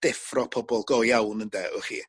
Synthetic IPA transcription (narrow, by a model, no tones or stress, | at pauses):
d̥ɛfrɔpʰɔbɔlˠɡɔjawnəndɛʔɔχḭː